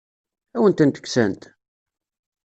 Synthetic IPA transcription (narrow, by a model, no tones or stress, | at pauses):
æwənt̪ənt̪ə̥kːsənt̪